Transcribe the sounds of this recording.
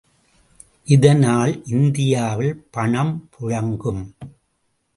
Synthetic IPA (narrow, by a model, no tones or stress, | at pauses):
ʔɪðɐnaːlʔɪnd̪ɪjaːʋɪlpɐɳɐmpʰʊɻɐŋɡɯm